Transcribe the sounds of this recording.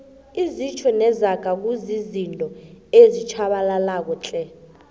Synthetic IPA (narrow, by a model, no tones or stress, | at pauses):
izit͡ʃʰɔnɛzaɡ̥ʱak̬uzizintʼɔezit͡ʃʰaɓalalak̬ɔt͡ɬʼɛ